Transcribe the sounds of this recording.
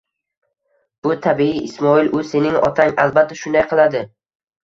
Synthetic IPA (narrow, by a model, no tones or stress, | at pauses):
b̥ʊt̪ʰabiiɪsmɒɪlʔʊse̞nɪŋɒ̰t̪ʰaŋa̰lˠbat̪ʰːaʃʊnd̪ajqʰɨlˠad̪ɪ